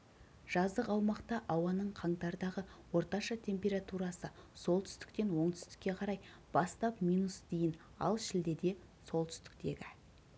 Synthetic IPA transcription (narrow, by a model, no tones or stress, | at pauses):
ʒ̥ɑzd̪əqɑwmɑqt̪ɑʔɑwɑnəɴqʰɑɴt̪ɑɾd̪ɑʁəwo̞ɾt̪ɑʃɑt̪ʰe̞mpʲe̞ɾat̪uɾɑsəso̞lˠt̪ʰʏ̥st̪ɪ̥k̚t̪e̞nwo̞ɴt̪ʰʏ̥st̪ɪ̥kʲːe̞qʰɑɾɑj | b̥ɑst̪ɑpmʲijnusd̪ejɪn | ɑ̰lˠʃɪld̪e̞d̪e̞ | so̞lˠt̪ʰʏ̥st̪ɪ̥k̚t̪e̞ɡʲɪ